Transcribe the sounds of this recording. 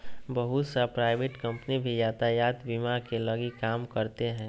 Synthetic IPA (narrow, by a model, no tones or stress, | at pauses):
bəɦʊt̪sapɾaːɪbeʈkə̃mpnibʱijaːt̪ajaːt̪bimaɾkeləɡikaːmkəɾt̪eɦɛ̃ː